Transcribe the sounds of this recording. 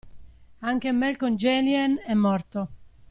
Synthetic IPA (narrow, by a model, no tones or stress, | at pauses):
aŋk̟emɛlkond͡ʒɛliɛnɛmːɔrt̪o